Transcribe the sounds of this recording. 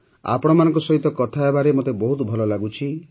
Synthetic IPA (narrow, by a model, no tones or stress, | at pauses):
a̰pɔɽ̃ɔmanɔ̃ŋkɔsɔɦit̪ɔkɔt̪ʰaebaɾemot̪ebɔɦut̪bʱɔlɔlaɡut͡ʃʰi